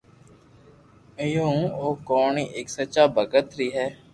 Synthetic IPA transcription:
ɪjõːoːkoːɳiːʔeksət͡ʃaːbʱəɡət̪ɾiːɦɛː

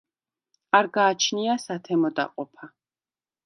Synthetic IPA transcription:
aɾɡaːt͡ʃʰniasat̪ʰɛmɔd̪a̰qʼɔpʰa

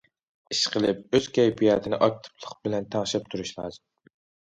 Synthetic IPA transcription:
iʃqʰəlˠɨp̚øz̥kʲʰɛjpʰijɑːt̪ʰɪnɪ̰ʔɑk̚t̪ʰɪ̥plˠəqbɪlɛnt̪ʰɑŋʃɛp̚t̪ʰuɾuʃlˠɑ̰ːzɨm

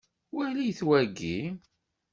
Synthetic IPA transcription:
wælijθwæɡːi

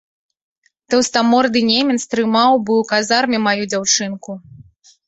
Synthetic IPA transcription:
t̪ɛwst̪amɔrd̪ɨnʲemʲɛnst̪ɾɨmawbɨwkazarmʲimajud͡zʲawt͡ʂɨnku

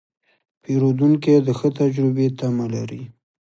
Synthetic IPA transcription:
peɾod̪uŋked̪əxət̪ad͡ʒɾɪbet̪amala̰ɾi

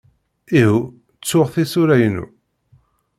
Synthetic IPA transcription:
ihu | t͡sːʊʁθisʊɾæjənṵ

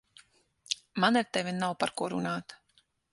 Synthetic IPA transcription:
manaɾt̪ɛvʲinawpaɾkuɔɾṵnaːt̪

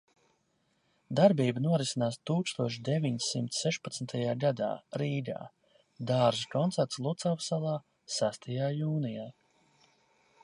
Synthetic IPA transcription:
d̪aɾbiːbənuɔɾisinaːst̪uːkst̪uɔʃ̬d̪eviɲsimt̪ssːɛʃpat̪smt̪ajaːɡad̪a̰ːɾiːd̪a̰ː | d̪aːɾʒikɔnt̪ɛɾt̪slˠut̪sawvsalˠɑː | sæst̪ʰajaːjuːnijaː

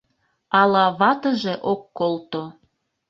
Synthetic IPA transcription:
ɑlɑβɑt̪əʒeʔokːolt̪o

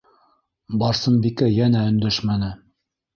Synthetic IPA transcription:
bɑɾsɤmbikæjænæɵ̆nd̪æʃmænɘ

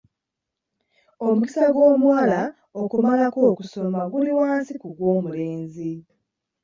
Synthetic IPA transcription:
o̞muki̥saɡwo̞ːmwaːla | okumalako̞ːkusomaɡuliwaːnsikuɡwo̞ːmuleːnzi

